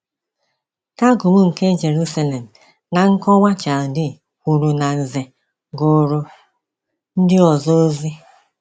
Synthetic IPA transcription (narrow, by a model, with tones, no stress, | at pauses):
ka˦ɡu˨mu˦ŋ̩˨ke˦d͡ʒe˨ɾu˦sa˦le˨m̩˨ | na˨ŋ̩˦kɔ˦ŋʷa˦t͡ʃa˨dɪ˨ | kʷu˨ɾu˨na˨n̩˨ze˨ | ɡʊ˨ɾʊ˨ | n̩˦dɪ˦ɔ˨zɔ˦zi˦